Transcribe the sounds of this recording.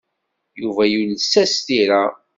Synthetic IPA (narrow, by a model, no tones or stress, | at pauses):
juvæjulsːæst̪iɾa